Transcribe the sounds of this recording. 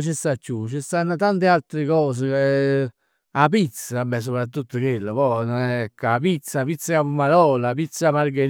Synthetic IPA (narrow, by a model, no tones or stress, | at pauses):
t͡ʃɪst̪at͡ʃːut͡ʃɪst̪anːat̪ant̪ɪalt̪ɾɪkɔːs̬ɪ | apit̪sːaabɛs̬opɾat̪ːut̪ːʊkwelːopɔnɔnɛkːapit̪sːapit̪sːaapumːaɾɔːlaːpit̪sːamaɾɡeɾ